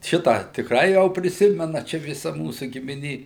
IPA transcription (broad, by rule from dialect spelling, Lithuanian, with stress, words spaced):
ˈʃʲɪtɑː tʲɪkˈrɐɪ ˈjɛʊ pʲrʲɪˈsʲɪmʲɛnɐ ˈt͡ʃʲɛ ʋʲɪˈsɐ ˈmuːsʊ ɡʲɪmʲɪˈnʲeː